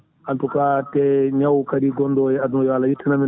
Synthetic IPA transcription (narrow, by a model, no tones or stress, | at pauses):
ʔantɔkatɛɲawkadiɡɔndɔjɛadunɔjalajitʰːinami